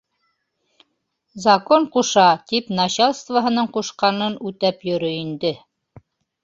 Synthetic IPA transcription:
zɐkoɴquʃɑt̪ipnɑɕalˠst̪vəɦɤ̆nɤɴquʃqɑnɤnʉt̪æpjɵ̆ɾɵind̪ɘ

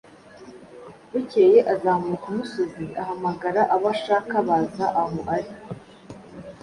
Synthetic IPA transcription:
βuceːjeʔazaːmukumusoziahamaɡaɾaʔaβaʃaːkaβazaʔaɦoʔaɾi

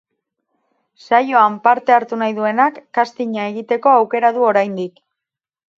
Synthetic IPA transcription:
sajo̞ampaɾt̪e̞aɾt̪unajðue̞nakːast̪iɲae̞ɣ̞it̪e̞ko̞awke̞ɾað̞uo̞ɾajnd̪ik

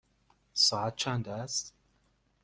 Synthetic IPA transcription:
sɑʕat̪̚t͡ʃʰand̪æst̪

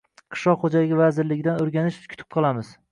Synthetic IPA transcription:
qʰɨ̥ʃlɒqχod͡ʒaɪɡʲɪvazɪɾlɪɡʲɪd̪anɵɾɡʲanɪʃkʲʰʊ̥t̪ʰɪ̥p̚qʰɑlˠamɪz̥

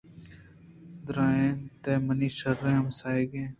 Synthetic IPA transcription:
d̪ɾãːeːnt̪eːməniːʃəɾːẽːɦəmsaːeːɡẽː

